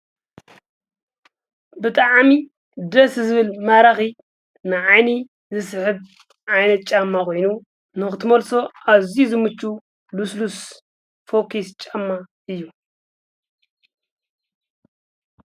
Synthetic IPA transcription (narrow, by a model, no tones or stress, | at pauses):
bɨt̪ʼaʕmi | d̪ɐszɨβɨlmaɾaxi | nɨʕajni | zɨsħɨβ | ʕajnɐt̪̚t͡ʃʼamːako̞jnu | nɨxɨt̪ʰɨmɐlso̞ʔaβzizɨmɨt͡ʃʼːu | luslus | fokʰist͡ʃʼamːaʔɨjːu